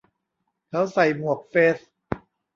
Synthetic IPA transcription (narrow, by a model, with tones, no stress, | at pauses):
kʰa˦˥wsa˨˩jmu˨˩ək̚feː˦˥s